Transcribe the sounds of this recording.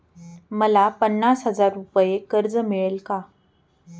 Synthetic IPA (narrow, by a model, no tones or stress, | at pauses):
məlapənːasɦəd͡zaɾːupəjekəɾd͡zəmiɭelka